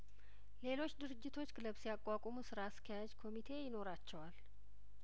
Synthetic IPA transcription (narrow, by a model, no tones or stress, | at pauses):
le̞lo̞t͡ʃːd̪ɨɾɨd͡ʒːɪt̪ʰo̞t͡ʃːɡɨləβsijakʼːakʼomusɨɾaskʰəjad͡ʒkʰo̞mit̪ʰe̞jɪno̞ɾat͡ʃːɛwal